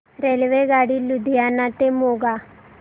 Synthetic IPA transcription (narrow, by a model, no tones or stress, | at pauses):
ɾelʋeɡaɽilud̪ijanat̪emoɡa